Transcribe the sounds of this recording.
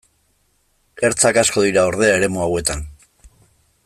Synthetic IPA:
e̞ɾt͡sakasko̞ðiɾao̞ɾð̞e̞ae̞ɾe̞muawe̞t̪an

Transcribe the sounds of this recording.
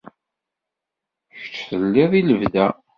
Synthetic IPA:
çə̥t͡ʃːθəlːɪðˤiləvðæ

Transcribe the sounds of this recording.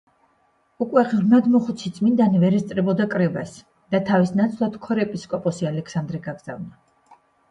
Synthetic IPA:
ukʼwɛʁɾmad̪mɔχut̪sʰit̪sʼmind̪anivɛɾɛst̪sʼɾɛbɔd̪akʼɾɛbas | d̪̥at̪ʰavisnat̪sʰlˠad̪kʰɔɾɛpʼiskʼɔpʼɔsialɛkʰsand̪ɾɛɡaɡz̥a̰vna

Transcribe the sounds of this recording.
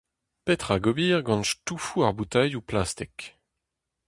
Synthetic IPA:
pɛt̪χaɡɔbiːʁɡɑ̃nʃtufuaʁbut̪ajuplast̪ɛk

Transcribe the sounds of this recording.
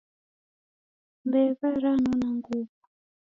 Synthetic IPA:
mbɛβaɾanɔnaŋɡuβu

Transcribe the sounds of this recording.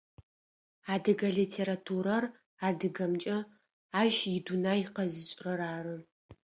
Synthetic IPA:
aːdɨɡɐɮitʰeːɾatʰuːɾɐr | aːdɨɡɐmt͡ʃʼɐ | aːʒɪdunaːjɪqɐziɕʼrɐɾaːrɨ

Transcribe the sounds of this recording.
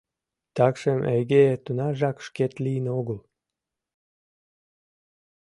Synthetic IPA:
t̪ɑkʃemʔejɡet̪unɑʒɑkʃket̪lijnoɣəl

